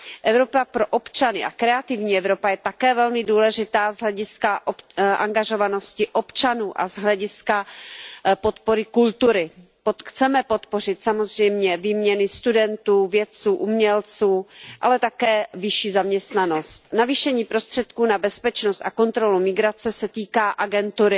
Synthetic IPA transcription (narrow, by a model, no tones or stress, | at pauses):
ʔɛvɾo̞papɾo̞ʔopt͡ʃanɪʔakɾɛat̪ɪvɲiːɛvɾo̞pajɛt̪akɛːvɛlmɪduːlɛʒɪt̪aːzɦlɛɟɪskaʔoʔa̰ŋɡaʒo̞vano̞scɪʔopt͡ʃanuːʔa̰zɦlɛɟɪska | pot̪poɾɪkult̪uɾɪ | poxt͡sɛmɛpo̞t̪po̞r̝ɪt̪samo̞zr̝ɛjmɲɛviːmɲɛnɪst̪udɛnt̪uːvjɛt͡suːʔumɲɛlt͡suːʔa̰lɛt̪akɛːvɪʃiːzamɲɛst̪nano̞st̪naviːʃɛɲiːpɾo̞st̪r̝̥ɛt̪kuːnabɛspɛt͡ʃnost̪ako̞nt̪ɾo̞lumɪɡɾat͡sɛsɛt̪iːkaːʔaɡɛnt̪uɾɪ